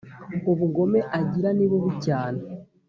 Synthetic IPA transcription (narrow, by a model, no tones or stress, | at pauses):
uβuɡo̞me̞ʔaɟiɾaniβuβucaːna